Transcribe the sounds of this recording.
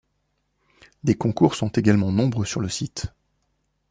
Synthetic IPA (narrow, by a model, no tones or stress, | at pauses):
d̪ekɔ̃kuʁsɔ̃t̪eɡalmɑ̃nɔ̃bʁøsyʁləsit̪